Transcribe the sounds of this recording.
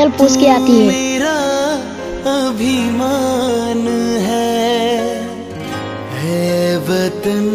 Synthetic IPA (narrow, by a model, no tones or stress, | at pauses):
əlpoːskiaːt̪iɦɛːeɾa | ɐbʱimanɦɛ | ɦɛʋət̪